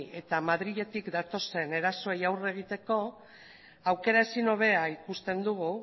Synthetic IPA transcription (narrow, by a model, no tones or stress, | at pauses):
e̞t̪amað̞ɾiʎe̞t̪ikd̪at̪o̞se̞ne̞ɾaso̞ejawre̞ɣ̞it̪e̞ko̞ | awke̞ɾaesino̞β̞e̞aikust̪e̞nd̪uɣu